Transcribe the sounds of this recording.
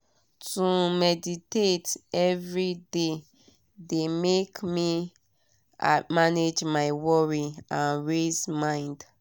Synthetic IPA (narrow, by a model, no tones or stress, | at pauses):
tumɛditetɛvɹide | demekmi | amaned͡ʒmaɪwɔɹiãnɹezmãɪ̃nd